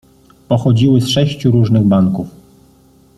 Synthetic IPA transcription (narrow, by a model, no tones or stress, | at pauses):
pɔxɔd͡ʑiwɘsʂɛɕt͡ɕuɾuʐnɘɣbaŋkuf